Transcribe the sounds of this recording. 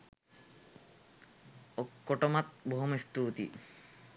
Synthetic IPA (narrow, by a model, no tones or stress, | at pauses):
okːoʈomat̪̚bʱoɦomest̪ut̪ḭ